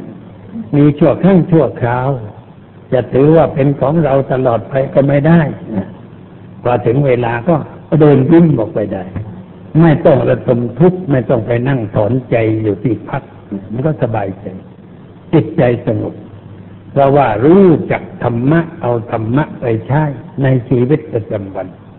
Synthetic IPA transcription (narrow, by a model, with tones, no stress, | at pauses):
miː˧t͡ɕʰu˥˩əkʰaː˥˩ŋt͡ɕʰu˥˩ɐkʰɾaː˧˥˩w | t͡ɕa˨˩ʔt̪ʰɯː˨˩˦waː˥˩pe˧nkʰɔː˨˩˦ŋɾa˧wt̪a˧lɔː˨˩t̪̚pʰa˧jkɔː˥˩ma˥˩jda˥˩jna˧˩ | kʰɔː˧˩t̪ʰɯ˩˦ŋweː˧laː˧kɔː˥˩ | dɤː˧nwi˥˩ŋbɔː˨˩k̚pa˧˩jda˧˩j | ma˥˩jt̪ɔ˥˩ŋɾa˧d̪o˧mt̪ʰu˦˥k̚ma˥˩jt̪ɔ˥˩ŋpa˧jna˥˩ŋt̪ʰɔː˩˦nt͡ɕa˧jjuː˨˩t̪ʰiː˧˩pʰa˦˥k̚na˧˩ma˧nkɔː˥˩sa˧baː˧jt͡ɕa˧j | t͡ɕi˨˩t̪̚t͡ɕa˧jsa˧ŋo˨˩p̚ | pʰɾɔː˧waː˧˩ɾuː˦˥˩t͡ɕa˨˩k̚t̪ʰa˧mːa˦˥ʔʔa˧wt̪ʰa˧mːa˦˥ʔpa˧jt͡ɕʰa˥˩jna˧jt͡ɕʰiː˧wi˦˥t̪̚pa˨˧t͡ɕa˧mwa˧n